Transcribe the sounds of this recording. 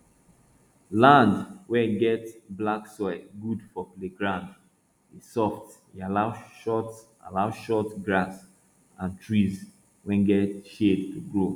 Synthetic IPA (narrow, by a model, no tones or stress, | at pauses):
lãndwɛɡɛtblaksɔɡudfɔpleɡɹãnd | esɔftjialaʃɔt | a̰laʊʃɔtɡɹas | ãntʰɹiz | wɛ̃nɡɛtʃedtʰuɡɹo